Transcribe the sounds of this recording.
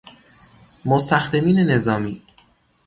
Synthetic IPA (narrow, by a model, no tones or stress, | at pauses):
most̪ʰæxd̪e̞miːne̞ne̞zɒːmiː